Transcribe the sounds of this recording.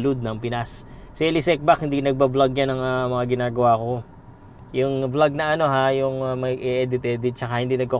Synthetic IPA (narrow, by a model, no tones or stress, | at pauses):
lʊd̪̚nɐŋpɪnassɛlɪsɛk̚bakhɪnd̪inɐɡ̚bablaɡ̚janɐŋamɐŋaɡɪnaːɡɐwaːko̞ | jʊŋblaɡ̚nɐʔɐno̞ɦajʊŋmɐjʔɛʔɛd̪ɪt̪ɛd̪t͡ʃɐkahɪnd̪iːnɐɡ̚ko